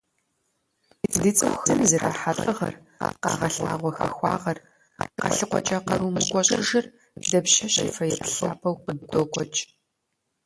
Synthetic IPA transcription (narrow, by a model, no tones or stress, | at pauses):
itʰɨdɨt͡sʼɨxxzɨmzɐrʔa̰ːħatʼɐʁɐ̰r | qɑ̰ːʁɐɬa̰ːʁʷɔxɐ̰xʷɑ̰ːʁɐr | qɑ̰ɬɨqʷɔ̰t͡ʃʼaqɐɾuːmɨkʷʼɔɕʼɪʒɐr | dɐpʃɐɕɐfɐjɛpʰɬɐwpʰɐwqəddoːkʷʼɔt͡ʃʼ